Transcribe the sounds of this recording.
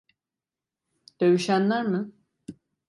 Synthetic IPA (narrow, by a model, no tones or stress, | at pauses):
d̪̥ø̞ɥyʃænlʲæɾmɯ